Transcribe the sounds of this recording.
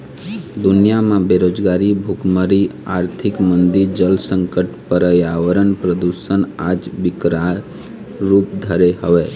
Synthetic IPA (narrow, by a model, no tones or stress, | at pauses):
d̪ʊnijamãbeɾoːd͡ʒɡaːɾibʱʊkməɾiaːɾt̪ʰɪkmə̃nd̪iɾd͡ʒəlsə̃ŋkəʈpəɾəjaʋəɾənpɾəd̪usənaːd͡ʒbɪkɾa | ɾuːp̚d̪ʱəɾeɦəʋeː